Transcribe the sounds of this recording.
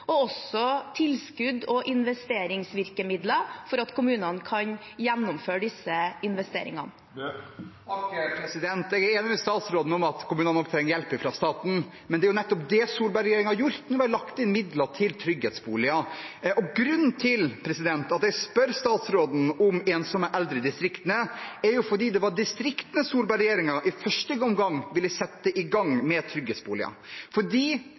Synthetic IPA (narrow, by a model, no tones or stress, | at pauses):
ɔɔsɔt̪ʰɪlskʉd̪ɔʔɪnʋɛst̪eːɾɪŋsʋɪɾkəmɪd̪ləfɔɾɑt̪kʰʊmʉːnənkʰɑnjɛnːʊmføːɖɪsːəɪnʋɛst̪ḛːɾɪ̰ŋɑ̰n | pʰɾɛsɪd̪ɛnt̪ɛɡæɾeːnɪmɛst̪ɑːt̪sɾoːd̪n̩ɔmɑt̪kʰʊmʉːnnɔk̚t̪ʰɾɛŋːəɾjɛlpɪfɾɑst̪ɑːt̪n̩ | mɛnd̪ɛæɾjʊnɛt̪ːɔpd̪ɛsuːlbɑɾjeːɾɪŋhɑɾjʊɾt̪nuːʋælɑkt̪ɪnmɪd̪lɑt̪ʰɪlt̪ʰɾʏɡheːt̪sbṵːlɪɑʔɔɡɾʉnːt̪ʰɪlpʰɾɛsɪd̪ɛnt̪ɑt̪ɛɡspœɾst̪ɑːt̪sɾoːd̪n̩ɔmeːnsɔməʔɛld̪ɾəd̪ɪst̪ɾɪkt̪ənəæɾjʊfɔɖiːd̪ɛʋɑɖɪst̪ɾɪkt̪ənəsuːɾbɑɾɛjeːɾɪŋɑʔɪfœʂʈəɡɔmɡɑŋːʋɪlːɪsɛt̪ːəʔɪɡɑŋːmɛt̪ʰɾʏɡheːt̪sbṵːlɪ̰ɑ̰fɔɖiː